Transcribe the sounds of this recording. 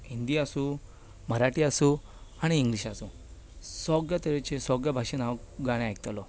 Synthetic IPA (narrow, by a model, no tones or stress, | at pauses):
ind̪iasũː | məɾaʈiːasũː | aɽ̃iːŋɡliɕasũː | sɔɡjat̪eɾet͡ɕesɔɡjabʱaɕenaɡaɽ̃ẽajk̚t̪alɔ